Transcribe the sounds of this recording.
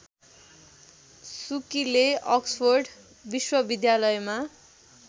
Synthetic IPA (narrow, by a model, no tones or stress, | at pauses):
sukileʌkspʰorɖ | biswʌbid̪jalʌjma